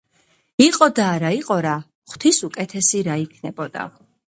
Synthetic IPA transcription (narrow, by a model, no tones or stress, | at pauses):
iqʼɔd̪aːɾaiqʼɔɾa | χt̪ʰisukʼɛt̪ʰɛsiɾaikʰnɛbɔd̪̥a̰